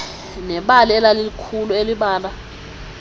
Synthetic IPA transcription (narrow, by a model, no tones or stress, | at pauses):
nɛɓaliɛlaliikʰulueliɓaːla